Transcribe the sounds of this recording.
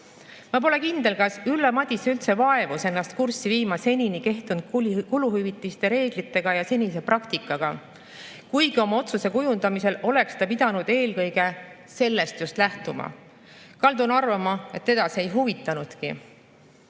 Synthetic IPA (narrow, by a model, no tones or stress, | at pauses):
mɑp̬o̞le̞kind̪̥e̞lkɑsylːemɑd̪̥ʲiseylt̪se̞vɑe̞vuse̞nːɑst̪̚kursːiviːmɑse̞nʲinike̞ht̪und̪̥kuluhyvit̪ˑːist̪e̞ɾe̞ːɡ̥lit̪ːˑe̞ɡ̥ɑjɑse̞nʲise̞prɑkt̪ikːˑɑɡ̥ɑ | kujɡ̥io̞mɑo̞t̪suse̞kujund̪̥ɑmise̞lo̞le̞kst̪ɑpid̪̥ɑnud̪̥e̞ːlkɤ̞jɡ̥e̞ | se̞lːe̞st̪just̪læht̪umɑ̰ | kɑld̪unɑrvɑmɑe̞t̪ːe̞d̪ɑsie̞jɦuvit̪ˑːɑnud̪̥kḭ